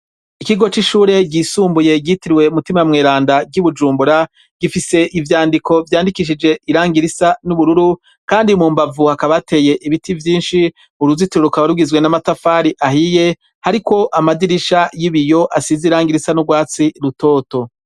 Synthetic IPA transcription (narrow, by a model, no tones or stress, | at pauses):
ikiɡo̞t͡ʃiʃuːɾe̞ɡiːsuːmbuje̞ɡiːtiɾiwe̞umutimajmŋeːɾaːndaɟuβud͡ʒuːmbuɾa | ɡ̥ifise̞ʔivjaːndikʰo̞vjaːndikiʃ̬id͡ʒe̞iɾaːŋɡiɾisanuβuɾuɾu | kaːndimuːmbavuhakaβatʰe̞je̞ʔiβitivjiːnʃi | uɾuzituɾeɾukaβaɾuɡizwe̞namatafaːɾiʔahije̞ | haɾiko̞ʔamadiɾiʃajiβijo̞ʔasiziɾaːŋɡiɾisanuɡwaːt͡siɾuto̞ːto̞